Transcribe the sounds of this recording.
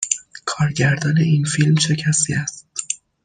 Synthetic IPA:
kʰɒːɾɟæɾd̪ɒːne̞iːnfilmt͡ʃʰe̞cʰæsiːæst̪

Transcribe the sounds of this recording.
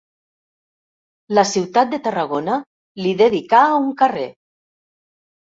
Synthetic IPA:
lasiwt̪at̪̚d̪et̪araɣ̞ona | liðeðikauŋkarḛ

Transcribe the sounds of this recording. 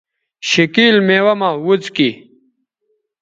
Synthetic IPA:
ɕikiːlmeːwɐmawut͡ski

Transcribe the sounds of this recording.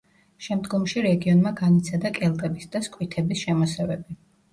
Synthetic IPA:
ʃɛmd̪ɡɔmʃiɾɛɡiɔnmaɡanit̪sʰad̪akʼɛlˠt̪ʼɛbisd̪askʼwit̪ʰɛbisʃɛmɔsɛvɛbi

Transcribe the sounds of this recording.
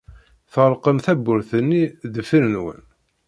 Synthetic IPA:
θəɾˤqəmθæbːʊɾθənːiðəfiɾnwə̰n

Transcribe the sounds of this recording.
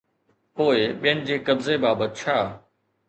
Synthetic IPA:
poːɪɓijənɪ̆d͡ʑeːkɐbzebaːbət̪̚t͡ɕʰaː

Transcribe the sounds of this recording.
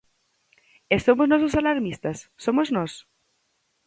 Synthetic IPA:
esomoznososalaɾmist̪asːomoznɔs

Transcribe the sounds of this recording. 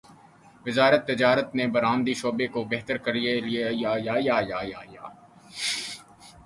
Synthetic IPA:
ʋɪzaːɾət̪ːɪd͡ʒaːɾət̪nebɐɾaːmd̪iʃoːbekobɛɦt̪əɾkɐɾieliejaːjaːjaːjaːjaːjaː

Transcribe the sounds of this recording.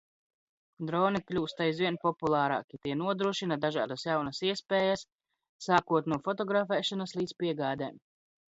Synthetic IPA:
d̪ɾɔːniklʲuːst̪ajzviɛnpɔpulˠɑːɾɑ̰ːkʲit̪iɛnuɔd̪ɾuɔʃinad̪aʒa̰ːd̪asjawnɐsiɛspɛːjasː | aːkuɔt̪nuɔfɔt̪ɔɡɾafɛːʃanaslˠiːd̪z̥piɛɡaːd̪ɛːm

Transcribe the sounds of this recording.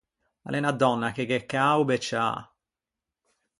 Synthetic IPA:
a̰lʔɛnad̪ːɔnːakeɡekːaubɛt͡ʃːa̰

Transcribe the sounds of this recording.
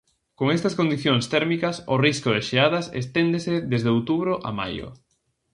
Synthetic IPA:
koŋest̪ɐskond̪iθjoŋst̪ɛɾmikɐsʊriskʊðeʃeaðɐsḛst̪end̪eseðezðeowt̪uβɾoʔa̰ma̰jʊ̰

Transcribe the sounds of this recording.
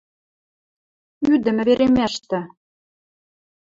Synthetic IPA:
yd̪ɘ̆mɘ̆βeɾemæʃt̪ɘ̆

